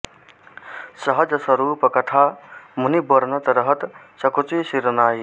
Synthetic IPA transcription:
sɐɦɐd͡ʒɐsɐɾuːpɐkɐʈ̪ʰaːmunibɐɾnɐt̪ɾɐɦɐt̪ | sɐkut͡sujsiɾɐnaːi

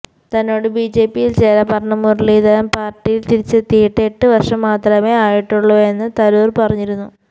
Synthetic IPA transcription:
t̪ɐnːo̞ːɽɨbid͡ʑe̞ːpːijilt͡ɕeːlɐpɐrɳɐmːurliːðɐɾɐmpaːrʈːijilt̪iɾit͡ɕːet̪ːijiʈːɨeʈːɨʋɐrʂɐmːaːt̪rɐme̞ːaːjiʈːuɭːue̞nːɨt̪ɐɾuːrpɐrɐɲːiɾunːu

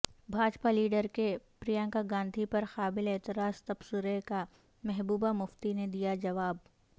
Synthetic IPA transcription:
bʱaːd͡ʒpaliːɖəɾkepɾijãːŋkaɡãːnd̪ʱipɐɾxaːbɪlɛːt̪ɪɾaːst̪ɐbsʊɾeka | mɛɦbuːbamʊft̪ined̪ijad͡ʒɐʋaːb̚

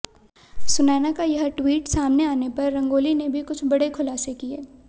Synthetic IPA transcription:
sʊnaːnakajɐɦʈwiːʈsaːmneaːnepɐɾːɐ̃ŋɡoːlinebʱikʊt͡ʃʰbɐɽekʰʊlaːsekieː

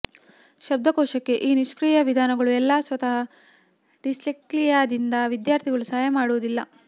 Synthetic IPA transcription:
ʃɐb̚d̪ʱɐkɔːʂɐkːe̞ʔiːniʃkɾiːjɐʋid̪ʱaːnɐɡɐɭuɛlːaːsʋɐt̪ɐɦɐ | ɖisliklijaːd̪ind̪ɐʋid̪jaːɾt̪ʰiɡɐɭusaːjɐmaːɽuʋɐd̪ilːɐ

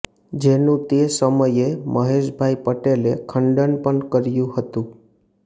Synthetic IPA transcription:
d͡ʒenũt̪esəməjemʔəɦeʃbʱajpəʈelekʰəɳɖənpəɳkəɾjũɦət̪ũ

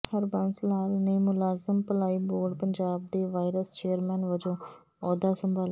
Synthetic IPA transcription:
həɾbənslaːlnəiːmʊlaːzəmpəlaːiːboːɾɖpəɲd͡ʒaːb̚d̪eːʋaːɪɾəst͡ʃeːəɾmɛ̃ːnʋəd͡ʒõː | ɔːd̪aːsəmbaːl

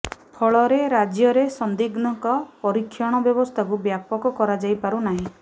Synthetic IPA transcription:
pʰɔɭɔɾeɾad͡ʒjɔɾesɔnd̪iɡnɔŋkɔpɔɾikʰːjɔɽ̃ɔbjɔbɔst̪ʰakubjapɔkɔkɔɾad͡ʒajpaɾunaɦĩ

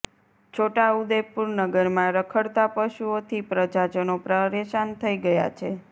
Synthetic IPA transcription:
t͡ʃʰoʈaud̪epuɾnəɡəɾmãɾəkʰəɽt̪apəʃuot̪ʰipɾəd͡ʒad͡ʒənopɾəɾeʃant̪ʰəiɡəja̰t͡ʃʰe

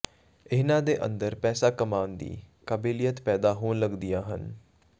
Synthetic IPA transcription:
ɪɦnãːd̪eːʔə̰nd̪əɾpɛːsaːkəmaːnd̪ḭːkəbiːlijət̪pɛːd̪aːɦoːnləɡd̪ɪjaːɦə̰n

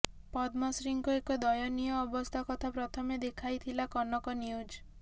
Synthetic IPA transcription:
pɔd̪masɾiŋkɔekɔd̪ɔjɔnijɔːbɔst̪ʰakɔt̪ʰapɾɔt̪ʰɔmed̪ekʰajt̪ʰilakɔnɔkɔniud͡ʒ

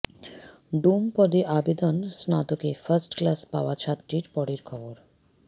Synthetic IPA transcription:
ɖumpɔd̪iʔabed̪onsnat̪okefəɾsʈklaspaoat͡ɕʰat̪ːɾiɾpɔɽeɾkʰɔboɾ

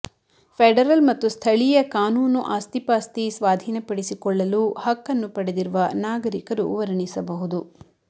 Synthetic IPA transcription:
pʰeɖɐɾɐlmɐt̪ːust̪ʰɐɭijɐkaːnuːnuʔaːst̪ipaːst̪isʋaːd̪ʱiːnɐpɐɽisikɔɭːɐluhɐkːɐnːupɐɽed̪iɾuʋɐnaːɡɐɾikɐɾṵʋɐɾɐɳisɐbɐɦud̪u

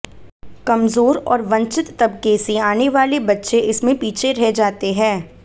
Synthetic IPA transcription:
kɐmzoːɾɔ̰ːɾʋɐ̃nt͡ʃɪt̪ːɐbkesiaːneʋaːlebɐtːʃeʔɪsmẽpiːt͡ʃʰeɾɛɦd͡ʒaːt̪eɦɛ̃ː

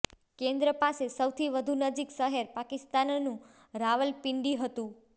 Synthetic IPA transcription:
kẽnd̪ɾəpasesəwt̪ʰiʋəd̪ʱunəd͡ʒiksəɦeɾpakist̪annũ | ɾaʋəlpiɳɖiɦət̪ũ

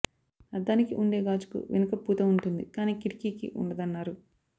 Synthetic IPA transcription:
ɐd̪ːaːnikiʔuɳɖe̞ːɡaːd͡ʒu̥kṵʋḛnɐkɐpuːt̪ɐmuɳʈund̪ikaːniːkiɽikiːkḭʔṵɳɖɐd̪ɐnːaːɾu

